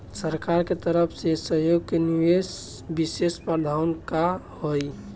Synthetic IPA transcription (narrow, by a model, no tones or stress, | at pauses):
səɾkaɾket̪əɾəpʰsesəɦjoɡ̚keniwes | bisespəd̪ʱaʊnkahoj